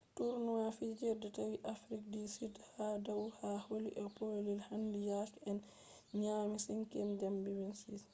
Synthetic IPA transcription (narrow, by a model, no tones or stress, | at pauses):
tuɾnuwafid͡ʒɛɾdɛtawiʔafɾik̚disidhadawhaholiʔɛpolilhandijakɛn | ɲaːmisinkɛnd͡ʒɛmbiwinsis